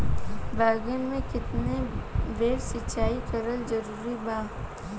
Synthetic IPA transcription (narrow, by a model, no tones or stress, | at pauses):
baːɡənmẽkɪt̪nebeːɾsɪt͡ʃaːikɐɾəlzɐɾuːɾibaː